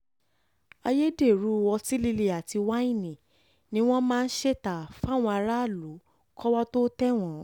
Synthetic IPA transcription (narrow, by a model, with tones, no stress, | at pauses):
a˧je˦de˦˨ɾu˨˦˧wɔ˧ti˦li˧le˧a˨ti˧wa˦ĩ˦˨nĩ˨ | nĩ˦w̃ɔ̃˦mãː˦˧n̩˦ʃe˦˨ta˨fa˦˨w̃ɔ̃˧a˧ɾa˦˨lu˨˦ | kɔ˦wa˦to˦tɛ˦w̃ɔ̃˨˦